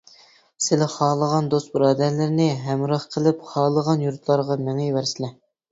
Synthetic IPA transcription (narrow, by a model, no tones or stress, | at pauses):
sɪlɪχɑːlˠəʁɑnd̪ost̪bɾɑːd̪æɾlɪɾɪnɪɦɛmɾɑχqʰəlɪpχɑːlˠəʁɑnjuɾt̪lˠɑɾʁɑmɛŋɛwæɾsɪlɛ